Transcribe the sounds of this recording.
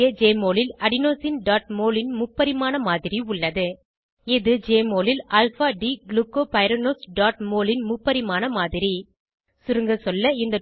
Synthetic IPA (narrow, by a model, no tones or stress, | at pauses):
ɐd͡ʒeːmoːlɪlɐɽɪnoːsɪnɖaːʈ̚moːlɪnmʊpːɐðɪmaːnɐmaːðɪɾiʊɭːɐðɯ | ɪðɯd͡ʒeːmoːlɪlɐlfaːɖiːɡlukːoːpɐɪɾɐnoːsɖaːʈ̚moːlɪnmʊpːɐðɪmaːnɐmaːðɪɾi | sʊɾɯŋɡɐsɔlːɐɪnd̪ɐ